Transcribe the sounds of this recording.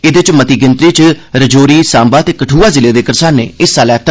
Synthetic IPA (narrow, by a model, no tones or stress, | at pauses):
ɪd̪et͡ʃmət̪iːɡɪnt̪ɾiːt͡ʃɾəd͡ʒoːɾiːsaːmbaːt̪eːkəʈʰuːaːzɪleːd̪eːkəɾsaːnːḛːɪsaːlɛːt̪ː